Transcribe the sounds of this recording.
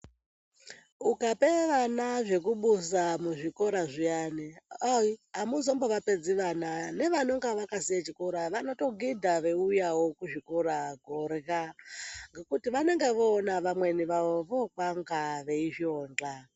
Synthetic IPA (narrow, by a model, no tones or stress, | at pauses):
ukapeʋanaʐe̞kuɓusamuʐikoɾaʐijaːneaiɦamuzomboʋaped͡ziʋanane̞ʋanoŋɡaʋakasijat͡ʃikoɾaʋanoto̞ɡidʱaʋe̞ujawokuʐikoɾaɡʱorkaŋɡe̞kutiʋaneŋɡeʋoːnaʋamwe̞niʋaʋoʋokwaŋɡaʋe̞iʃoːnd͡ɮa